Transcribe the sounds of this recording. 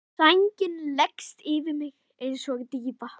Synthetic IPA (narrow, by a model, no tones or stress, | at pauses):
ajɲcɪnlɛkst̪ɪvɪmɪɣ | ejnsɔɣt̪ipa